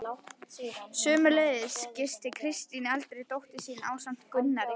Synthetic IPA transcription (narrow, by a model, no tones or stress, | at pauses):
sʏːmʏleðɪscɪst̪ɪkʰɾɪst̪inɪalt̪ɾejt̪owht̪ɪsiːna̰ːwsam̥t̪kʏnːaɾɪ